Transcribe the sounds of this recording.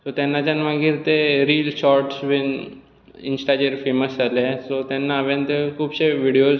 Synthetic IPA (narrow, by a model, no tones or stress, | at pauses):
sot̪anːat͡ɕanʋaɡiɾt̪eɾiːlɕɔɾʈsʋen | ḭnsʈad͡ʑeɾfeməsalesot̪anːaːʋẽnt̪ekʰuːbɕeʋiɽijo